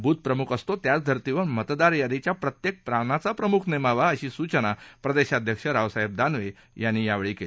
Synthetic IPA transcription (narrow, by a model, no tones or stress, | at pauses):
bʱuːt̪̚pɾəmukʰəst̪ot̪jat͡sd̪ʱəɾt̪iʋəɾmət̪d̪aɾjad̪ʱit͡ɕjapɾət̪jek̚pɾanat͡sapɾəmukʰnemaʋaəɕiːsut͡ɕənapɾəd̪eɕad̪ʱjəkʂəɾaʋsaɦeb̚d̪anʋe | janːiːjaʋɭiːkeli